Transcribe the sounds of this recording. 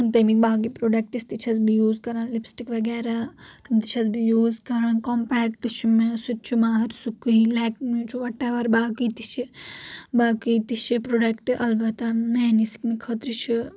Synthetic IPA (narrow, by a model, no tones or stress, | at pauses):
ɐnt̪ɐmikbaːkipɾoːɖɐk̚ʈist̪it͡ʃʰɐsbijuːzkɐɾanlipsʈikʋɐɡɛːɾat̪ɐmt̪it͡ʃʰɐsbijuːzkɐɾankɔmpɛːkʈɨt͡ʃʰimesut̪̚t͡ʃʰumaːɦɐɾsukujlɛːkmit͡ʃʰuʋɐʈeʋɐɾbaːkit̪it͡ʃʰi | baːkijt̪it͡ʃʰipɾoɖɐkʈɨʔɐlbɐt̪ɐmeːnisi̥kmikʰɐt̪ɾit͡ʃʰi